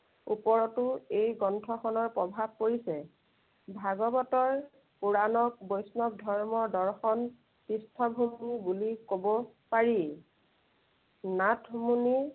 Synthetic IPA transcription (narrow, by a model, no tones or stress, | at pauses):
upɔɹɔtʊejɡɔntʰɔxɔnɔɹpɹɔbʱab̚koɹisɛ | bʱaɡɔbɔtɔɹ | puɹanɔk̚bojsnɔk̚dʱɔɹmɔɹdɔɹxɔn | tistʰɔbʱumːibulikobɔ | paɹi | natʰmuni